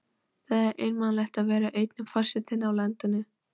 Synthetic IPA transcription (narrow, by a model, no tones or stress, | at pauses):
θaðɛɾʔḛjnmanlɛxt̪aðvɛːɾaʔejt̪nʏfar̥sɪt̪ɪnawlɛnt̪ʏnːɪ